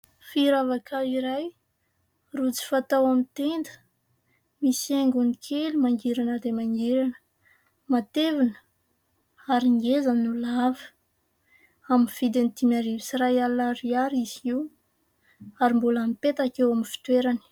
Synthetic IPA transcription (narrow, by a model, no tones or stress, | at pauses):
fiɾavakʰaiɾaj | rut͡si̥fat̪awamit̪end̪ə̥ | misieŋɡunikʰelumaŋɡiɾanəd̪emaŋɡeɾanə̥ | mat̪evinə̥ | aɾiŋɡezannulavə̥ | aminfid̪enit̪imaɾivisirajalaɾiaɾiziw | aɾimbulamipet̪akewaminfi̥t̪weɾani̥